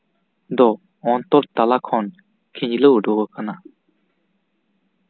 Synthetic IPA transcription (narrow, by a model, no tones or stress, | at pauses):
d̪ɔ | ɔnt̪ɔɾt̪alakʰɔn | kʰiɲlɯwɖɔɡəkana